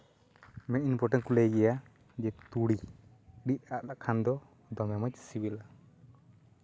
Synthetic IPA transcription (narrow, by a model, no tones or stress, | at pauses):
mɛinpɔʈɛnkulɛɡɛja | d͡ʒɛt̪uɽiɖit̪̚aʔlaʔkʰand̪ɔ | d̪ɔmɛmat͡ʃ̚sibila